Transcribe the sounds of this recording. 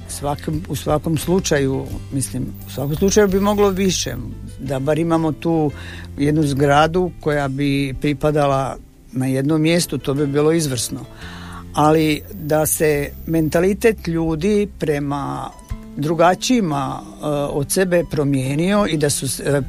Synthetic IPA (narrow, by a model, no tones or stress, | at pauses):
sʋakomusʋako̞mslˠut͡ʃajumislimusʋakomslˠut͡ʃajubimo̞ɡlo̞ʋiʃḛd̪abaːɾimamot̪uː | jed̪nuzɡɾad̪uko̞jabipɾipad̪ala | naje̞d̪nomːje̞st̪ut̪o̞ːbibiːlo̞izʋr̩sno | alid̪ase̞me̞nt̪alit̪e̞t̪ʎuːd̪ipɾe̞ma | d̪ɾuɡat͡ʃiːma | ot̪sebe̞pɾo̞mje̞ːnio̞id̪asus